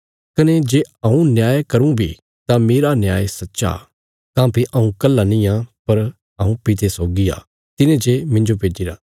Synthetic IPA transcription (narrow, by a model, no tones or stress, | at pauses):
kɐned͡ʒeːɐ̃ũnjaːjekɐɾũbʱḭ | t̪ameːɾanjaːesɐtːʃa̰ | kãːpiʔɐ̃ũkɐlːanĩjãpɐɾ | ɐũpɪt̪ʰesɔːɡia̰ː | t̪ɪnẽd͡ʒemɪ̃ɲd͡ʒopeːd͡ʒiɾa̰ː